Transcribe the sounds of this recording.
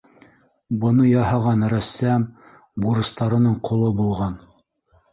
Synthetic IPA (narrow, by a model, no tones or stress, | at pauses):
bɤ̆nɤjɑhɑʁɑnɾæsːæm | buɾɤ̆st̪ɑɾɤ̆nɤɴqŏlˠɤbulˠʁɑn